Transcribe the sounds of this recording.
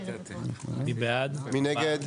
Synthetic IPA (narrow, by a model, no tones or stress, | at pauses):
ibad̪minɛɡɛd̪